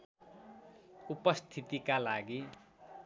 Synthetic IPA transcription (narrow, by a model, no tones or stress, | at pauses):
upʌst̪ʰit̪ikalaɡi